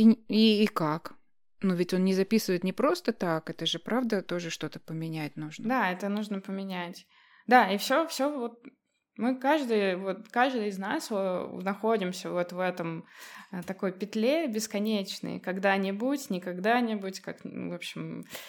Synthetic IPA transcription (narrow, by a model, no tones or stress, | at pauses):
iiːkak | nuvʲɪtʲo̞nnʲɪzɐpʲisɨvəɪt̪nʲɪpɾo̞st̪ət̪akɛt̪əʐɨpɾavd̪ət̪o̞ʐɨʂt̪o̞t̪ə̥pəmʲɪnʲæt̚ʲnuʐnəd̪aɛt̪ənuʐnəpəmʲɪnʲætʲ | d̪aifsʲofsʲovo̞t̪̚ | mɨkaʐd̪ɨjvot̪kaʐd̪ɨjɪznaso̰nɐxo̞dʲɪmsʲəvot̪vɛt̪əmət̪ɐko̞jpʲɪt̪lʲebʲɪskɐnʲet͡ɕnɨ̰jkɐɡd̪anʲɪbutʲnʲɪkɐɡd̪anʲɪbʊtʲkakvo̞pɕːɪm